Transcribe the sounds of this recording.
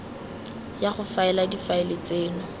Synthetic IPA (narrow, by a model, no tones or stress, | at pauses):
jaχʊfaɛladifaɪlɪt͡seːnʊ